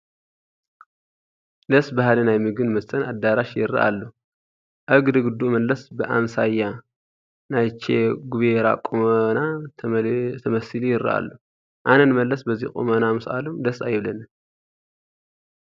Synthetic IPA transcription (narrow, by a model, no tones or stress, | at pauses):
d̪ɐsbahalinajmɨɡɨnmɐst̪ʼɐnad̪ːaɾaʃjɪɾːɐ̰ʔa̰lːo | ʔɐɡd̪ɨɡɨd̪uʔmɐlːɐsbɨʔamsajːa | najt͡ʃʰeɡuβeɾa̰kʼumna | t̪ʰɐmɐsɨlijɪɾːɐ̰ʔa̰lːo | ʔanɐnmɐlːɐsbɐzikʼṵmɐnamɨsʔa̰lumd̪ɐsajɪβlɐnɨ